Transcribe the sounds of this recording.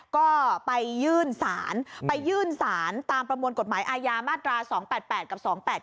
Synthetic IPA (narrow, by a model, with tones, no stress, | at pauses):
kɔː˥˩pa˧jːɯː˥˩nsaː˩˦npa˧jːɯː˥˩nsaː˩˦nt̪aː˧mpɾa˧mu˧ənko˨˩t̪̚maː˩˦jʔaː˧jaː˧maː˥˩t̪ɾaː˧sɔː˩˦ŋpɛː˨˩t̪̚pɛː˨˩t̪̚ka˨˩p̚sɔː˩˦ŋpɛː˨˩t̪̚